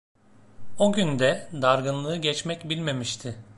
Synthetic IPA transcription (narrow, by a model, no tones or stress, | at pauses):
o̞ɟynd̪ɛd̪aɾɡɯnlˠɯːɟɛt͡ʃmɛcbilʲme̞miʃt̪ʰɪ